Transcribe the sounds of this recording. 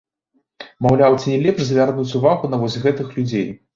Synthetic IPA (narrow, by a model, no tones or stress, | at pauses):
mawlʲawt͡sʲinʲɛlʲɛpʂzʲvʲarnut͡sʲuvaɣunɐvɔsʲɣɛt̪ɨxlʲud͡zʲej